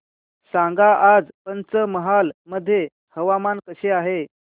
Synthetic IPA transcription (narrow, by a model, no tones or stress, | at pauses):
sãŋɡaʔad͡zpənt͡səməɦalməd̪ʱːje | həʋamankəɕeaɦe